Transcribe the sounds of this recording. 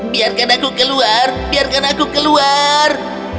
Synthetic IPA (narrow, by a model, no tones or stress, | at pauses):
biarkanakukəluarbiarkanakukəluar